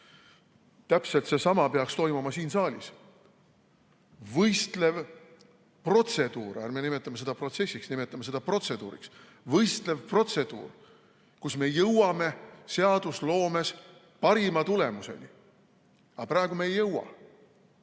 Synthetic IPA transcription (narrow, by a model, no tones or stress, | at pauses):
t̪æpse̞lt̪se̞sɑmɑpeɑkst̪o̞jmumɑsiːnsɑːlʲis | vɤjst̪le̞v | pro̞t̪se̞d̪̥uːɾærmenime̞t̪ːˑɑmɑse̞d̪̥ɑpro̞t̪se̞sʲːiksnime̞t̪ˑːɑmɑse̞d̪̥ɑpro̞t̪se̞d̪̥ṵːɾḭks | vɤjst̪le̞vpro̞t̪se̞d̪̥ṵːr | kusme̞jɤwɑme̞se̞ɑd̪̥uslo̞ːme̞s | pɑɾimɑt̪ule̞muse̞̰ni | ɑpræeɡ̥umeːjːɤwɑ̰